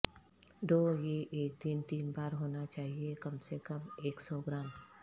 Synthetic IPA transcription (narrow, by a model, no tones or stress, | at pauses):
ɖoːjeʔeːk̚d̪ɪnt̪iːnbaːɾɦoːnat͡ʃaːɦiekɐmsekɐmeːksɔːɡɾãːm